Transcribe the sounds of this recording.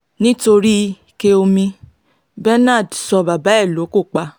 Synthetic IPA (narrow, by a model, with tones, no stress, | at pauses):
nĩ˦to˧ɾi˦˧ | ke˦o˧mĩ˧ | bɛ˦na˦˨dsɔ˧ba˨ba˨˦ɛ˦˨lo˨˦ko˦˨k͡pa˧˦